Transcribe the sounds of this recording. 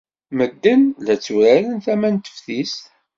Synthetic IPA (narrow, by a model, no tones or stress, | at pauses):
məd̪ːənlæt͡sːuɾæɾənθæmænt̪ə̥fθis